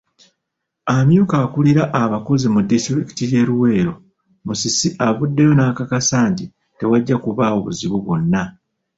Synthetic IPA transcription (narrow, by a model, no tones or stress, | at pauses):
amjuːkaːkuliɾaʔaβako̞zimudistɾiki̥tije̞ːɾuwe̞ːɾo̞ | musisiʔaβudːe̞jo̞nakakasaːnti | te̞waɟːakuβao̞βṵziβuβonːa